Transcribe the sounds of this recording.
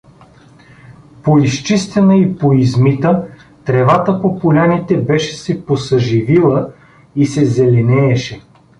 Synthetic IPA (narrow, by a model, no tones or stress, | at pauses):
poist͡ʃist̪ɛnəipoizmit̪ə | t̪ɾɛvat̪əpopolʲanit̪ɛbɛʃɛ̥sɛposəʒivilˠə | isɛzɛlɛnɛːʃɛ